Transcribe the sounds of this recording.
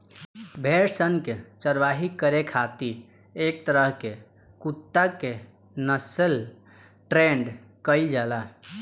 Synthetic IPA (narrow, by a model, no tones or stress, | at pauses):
bʱeɾsənket͡ʃəɾʋaɦikəɾekʰat̪i | ek̚t̪əɾəɦke | kut̪ːake | nəsəl | ʈɾeɳɖ | kəjd͡ʒala